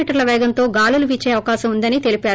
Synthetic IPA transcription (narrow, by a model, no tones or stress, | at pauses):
iːʈɐɾlɐʋɛːɡɐnt̪o̞ːɡaːluluʋiːt͡ʃːeːɐʋɐkaːʃɐmund̪ɐnit̪e̞lipaː